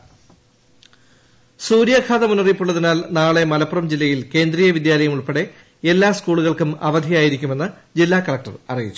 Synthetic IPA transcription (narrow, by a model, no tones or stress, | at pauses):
suːɾjɐkʰaːðɐmunɐripːuɭːɐðinaːlnaːɭe̞mɐlɐpːurɐmd͡ʑilːɐjilke̞ːnd̪riːjɐʋid̪jaːlɐjɐmuɭpeɽe̞ | elːaːskuːɭuɣɐɭkumɐ̰ʋɐd̪ʱijaːjiɾikʲːume̞nːɨ | d͡ʑilːaːkɐɭɐk̚ʈɐ̰rɐrijit͡ɕːu̥